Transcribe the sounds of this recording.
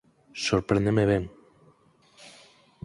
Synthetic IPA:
soɾpɾend̪emeβeŋ

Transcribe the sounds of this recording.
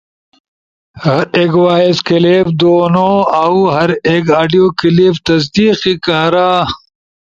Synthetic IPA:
hɐɾeːkwaːeskileːbd̪oːnoːawɦɐɾeːkaːɖijoːkileːft̪ɐs̬d̪iːqikaːɾaː

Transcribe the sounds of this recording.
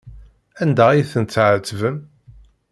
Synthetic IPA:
ænd̪æijθənt͡sːʕət͡s̪ːvəm

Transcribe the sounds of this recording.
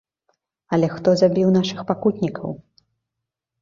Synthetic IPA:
ɐlʲɛxt̪ɔzabʲiwnaʂɨxpakut̪ʲnʲikʰɐ̰w

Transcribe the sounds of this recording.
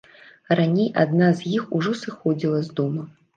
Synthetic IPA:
ranʲejad̪nazʲjixuʐɔsɨxɔd͡zʲilˠɐzd̪ɔmɐ

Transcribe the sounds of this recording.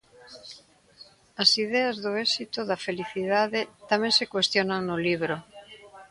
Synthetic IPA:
asið̞eazðoesit̪oðafeliθiðaðet̪amẽnsekwest̪jonaŋnoliβ̞ɾo

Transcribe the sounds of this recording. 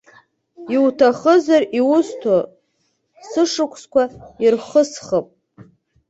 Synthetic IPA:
iwtʰaχəzariwʊstʰo | sɨʂɨkʷʰskʷʰairχəsχəpʼ

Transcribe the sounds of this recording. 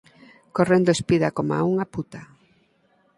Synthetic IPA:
korend̪oespiðakoma̰uŋaput̪a

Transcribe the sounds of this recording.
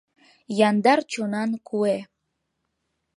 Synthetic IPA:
jɑnd̪ɑrt͡ɕonɑnkʰue

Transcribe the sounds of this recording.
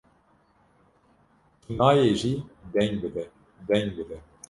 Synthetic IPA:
nɑːjeːʒiːd̪ɛɲbɨd̪ɛ | d̪ɛɲbɨd̪ɛ

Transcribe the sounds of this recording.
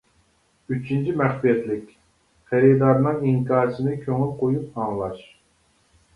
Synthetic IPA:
yt͡ʃʰint͡ʃʰimæχpijɛt̪lɪkʲ | χæɾid̪ɑɾnɨŋiŋkɑːɾsʰɪnɪkʲʰøŋylqʰojup̚ɑŋlˠɑʃ

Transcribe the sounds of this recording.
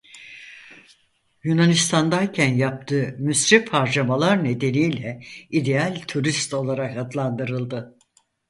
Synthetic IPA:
junanist̪ʰand̪ajcʰænjap̚t̪ʰɯːmysɾɛfhaɾd͡ʒamalˠaɾne̞d̪e̞nijlʲɛid̪e̞alʲt̪ʰuɾist̪o̞lˠaɾakad̪lˠand̪ɯɾɯlˠd̪ɯ

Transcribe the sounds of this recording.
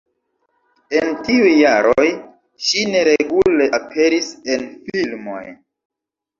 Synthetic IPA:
e̞ntiujːaɾoj | ʃine̞ɾe̞ɡule̞ʔapʰe̞ɾise̞nfilmo̞̰j

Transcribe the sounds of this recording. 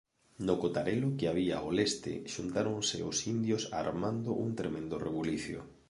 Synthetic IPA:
nokot̪aɾelʊkeaβ̞ia̰oest̪ɪ̰ʃunt̪aɾoŋsɪ̰osind̪josa̰ɾmand̪ʊʔuŋt̪ɾemẽnd̪orḛβuliθjo̰

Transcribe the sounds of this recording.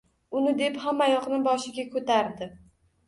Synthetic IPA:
ʊnɪd̪e̞phamːajɒqnɪbɒʃɪɡʲakʰot̪ʰaɾd̪ɪ

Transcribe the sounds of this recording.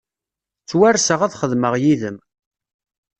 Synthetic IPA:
t͡sːwærsəʁaðχəðməʁjiðəm

